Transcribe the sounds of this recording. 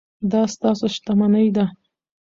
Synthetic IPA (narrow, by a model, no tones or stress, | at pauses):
d̪ɑst̪ɑsoʃt̪amanəjd̪a